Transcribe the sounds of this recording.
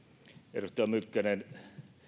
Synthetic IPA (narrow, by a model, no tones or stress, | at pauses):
ḛrust̪ːˑɑmykːænen